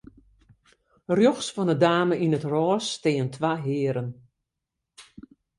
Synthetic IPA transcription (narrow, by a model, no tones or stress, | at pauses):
rjɔxsfɔnədaːməinətrɔːstɪːəntʰʋaɦɪːəɾən